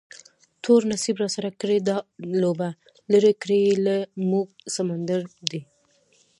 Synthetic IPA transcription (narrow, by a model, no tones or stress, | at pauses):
t̪ʰoɾnasibɾɑsaɾakɽed̪ɑloba | ləɾekɾeelamuɡ̚samand̪aɾd̪i